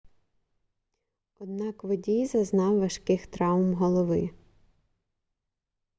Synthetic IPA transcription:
ɔd̪nɑkʋɔdʲijzɐznɑwʋɐʃkɪxt̪ɾɑwmɦɔlˠɔʋɪ

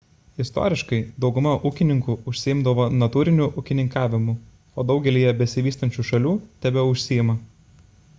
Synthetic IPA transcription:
ɪst̪o̰ːɾʲɪʃkɐɪd̪ɒʊɡʊmɐʔuːkʲɪnʲɪŋkuːʊʃʲsʲɪɪmd̪ɐʋoːnɐt̪uːɾʲɪnʲuʔʊkʲɪnʲɪŋkɑːʋʲɪmʊ | oːd̪ɒʊɡʲɛlʲiːjɛbʲɛsʲɪʋʲiːst̪ɐnʲt͡ʃʲuːʃɐlʲuːt̪ʲɛbʲɛʊʃʲsʲɪɪmɐ

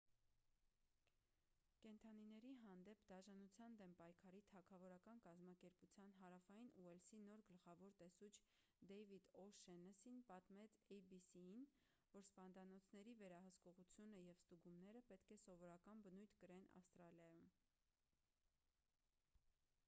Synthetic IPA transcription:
kɛnt̪ʰɑninɛɾiɦɑnd̪ɛpʰd̪ɑʒɑnut͡sʰjɑnd̪ɛmpɑjkʰɑɾit̪ʰɑkʰɑvɔɾɑkɑnkɑzmɑkɛɾput͡sʰjɑnɦɑɾɑfɑjinuɛlsinɔɾɡəlχɑvɔɾt̪ɛsut͡ʃʰ | d̪ɛjvid̪ɔʃɛnɛsinpɑt̪mɛt͡sʰɛjbisiin | vɔɾspɑnd̪ɑnɔt͡sʰnɛɾivɛɾɑɦəskɔʁut͡sʰjunəjɛvst̪uɡumnɛɾəpɛt̪kʰɛsɔvɔɾɑkɑnbənujt̪ʰkəɾɛnɑ̰fst̪ɾɑljɑjum

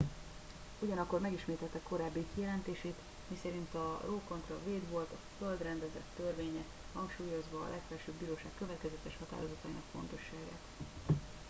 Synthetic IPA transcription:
uɟɒnɒkːormɛɡiʃmeːt̪ɛt̪ːɛkːo̞ɾaːbːikijɛlɛnt̪eːʃeːt̪ | misɛɾint̪ɒroːkont̪rɒveːd̪ʋo̞lt̪ɒføld̪rɛnd̪ɛzɛ̰t̪ːørveːɲɛ | hɒŋkʃuːjo̞zʋɒ̰ːlʔɛkfɛlʃøːbiːɾoːʃaːkːøvɛt̪kɛzɛt̪ɛʃhɒt̪a̰ːɾo̞zɒt̪ɒinɒkfo̞̰nt̪o̞ʃːaːɡa̰ːt̪

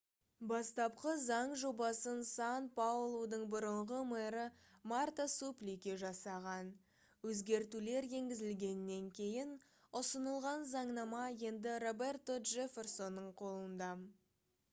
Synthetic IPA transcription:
bɑst̪ɑp̚qəzɑɴʒo̞bɑsənsɑnpʰaulˠod̪əɴbʊɾəɴʁəmeɾə | mart̪asuplikʲeʒɑsɑʁɑn | wɵzɡʲe̞ɾt̪ule̞ɾje̞ŋɡʲɪzɪlɡʲe̞nɪnːe̞ŋkʲʰe̞jɪn | ʊsənəlˠʁɑnzɑɴnɑmɑje̞nd̪ɪro̞be̞rt̪oʒefʲe̞rso̞nːəɴqʰo̞lˠənd̪ɑ

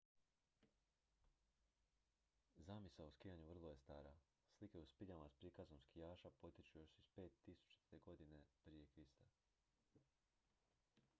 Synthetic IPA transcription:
zamisaoskijaɲuʋr̩lˠoje̞st̪aːɾa | slike̞uspiʎamaspɾikaznomskijaːʃapo̞t̪it͡ʃujoʃispe̞ːt̪ːisu̥t͡ʃt̪eɡo̞d̪inepɾije̞kɾist̪a

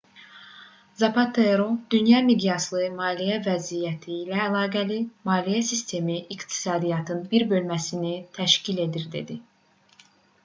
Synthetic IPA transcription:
zɑpɑt̪ʰeɾod̪̥ynjɑmiɡjɑslˠɯmɑːlijævæzijæt̪ʰiːlæːlˠɑːɡælimɑːlijæsist̪ʰe̞miʔikt̪ʰi̥sɑːd̪ijɑt̪ʰɯnbiɾbø̞lmæsinit̪ʰæʃcile̞d̪iɾd̪e̞̰d̪i

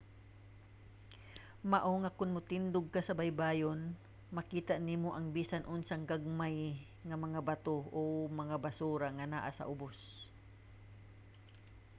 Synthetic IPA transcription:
maʔoŋakʊnmʊt̪ɪnd̪ʊɡ̚kasɐbajbaːjon | mɐkiːt̪aʔniːmoʔɐŋbiːsanʔʊnsaŋɡaɡ̚maj | ŋɐmɐŋabat̪oomɐŋabasuɾaŋana̰ːʔasɐ̰ʔʊbos

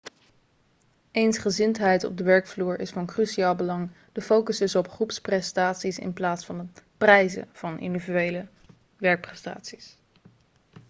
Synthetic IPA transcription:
ejnsχəzɪntɦɛjtɔ̰b̚dəʋɛɹkfluːɹɪ̰sfɑnkryʃiaːlˠbəlɑŋ | d̥əfowkəzdɵsɔpχrupsprɛstaːtsisɪ̰nplaːtsfɑndəprɛjzə̰v̥ɑnʔɪ̰ndivyejlə | ʋɛɹk̚prɛsta̰ːtsi̥s

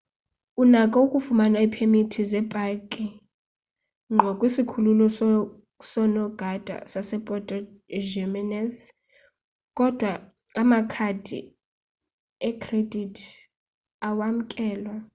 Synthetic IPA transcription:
unakʼɔukʼufumanaipʰemitʰizɛb̥ʼʱakʼi | ŋʱɔkʼwisikʰululɔs | sɔnɔɡ̥ʱad̥ʱa̰sasɛpʼɔtʼɔ | d͡ʒɛmɛnɛs | kʼɔd̥ʱwa | amakʰad̥ʱḭ | ɛkʰʼred̥ʱitʰ | awam̩kʼɛːlwa

